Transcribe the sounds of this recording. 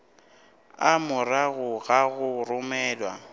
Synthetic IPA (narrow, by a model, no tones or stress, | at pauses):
amʊraɣʊɣaɣʊrʊmɛːlwa̰